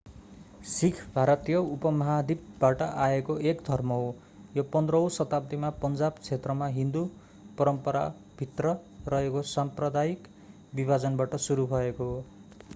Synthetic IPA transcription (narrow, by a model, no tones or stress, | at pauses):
sikʰbʱaɾʌt̪ijʌupʌmʌɦad̪ib̚baʈʌʔaekoʔekd̪ʱʌrmʌo | jopʌnd̪rʌw̃sʌt̪ab̚d̪imapʌnd͡zabt͡sʰet̪rʌmaɦĩnd̪u | pʌɾʌmpʌɾa̰ | bʱit̪rʌrʌɦekosamprʌd̪aik | bibʱad͡zʌnbaʈʌsuɾubʱʌekoɦo